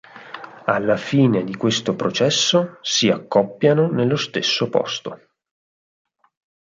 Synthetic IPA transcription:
alːafiːned̪ikwest̪opɾot͡ʃɛsːosiakːɔpːjanonelːost̪esːopɔ̰st̪o

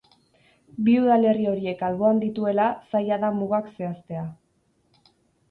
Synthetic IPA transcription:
biuðale̞rio̞ɾie̞kalβo̞and̪it̪ue̞lasajaðamuɣakse̞ast̪e̞a

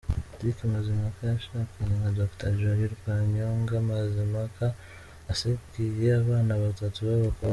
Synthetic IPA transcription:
tikimazimakajaʃakaɲaŋazaku̥tʰaʒaɾiɾikaɲoːŋɡamazimakaː | sekijiaβaːnaβatatuβaβako

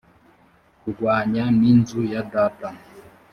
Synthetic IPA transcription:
kuɡwaɲaminzujadataŋ

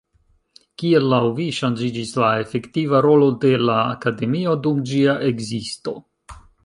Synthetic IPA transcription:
kie̞lːawviʃand͡ʒid͡ʒislae̞fe̞ktivaɾo̞lo̞de̞laːkade̞mio̞dumd͡ʒiaʔe̞ɡzisto̞

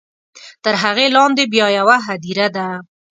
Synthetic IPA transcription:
t̪əɾɦaɣelɑnd̪ebjɑjawaɦad̪iɾad̪a

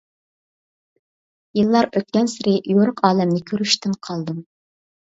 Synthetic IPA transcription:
jɨlˠːɑɾøt̪̚kʲɛnsɪɾɪjoɾʊqʰɑːlɛmnɪkʲʰøɾyʃt̪ɪnqʰɑlˠd̪ɨm

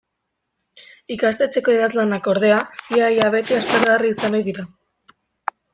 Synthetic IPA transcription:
ikast̪e̞t͡se̞ko̞iðazlanako̞ɾðe̞aiajaβe̞t̪iespeɾɣariːsano̞jðiɾa

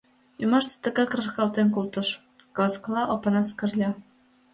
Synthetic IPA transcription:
jumɑʃt̪ĕ̥t̪ə̆ɣɑkrɤ̆rxɑlt̪enkult̪ɤ̆ʃ | klɑsklɑʔopɤ̆nɑskə̆rlʲɑ

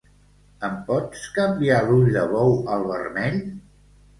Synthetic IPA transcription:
əmpɔt͡skəmbialuʎd̪əβɔwəlˠβə̰rnɛʎ

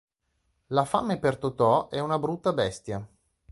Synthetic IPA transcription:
lafamepert̪ot̪ɔʔɛunabɾut̪ːabɛst̪ja

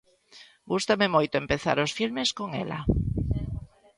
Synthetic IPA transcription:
ɡust̪amemojt̪oempeθa̰ɾosfilmeskoŋɛ̰la̰

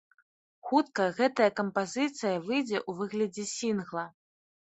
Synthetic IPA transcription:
xut̪kɐɣɛt̪ɐjɐkɐmpazɨt̪sɨjɐvɨjd͡zʲɛʔuvɨɣlʲɐd͡zʲɛsʲinɣlˠɐ

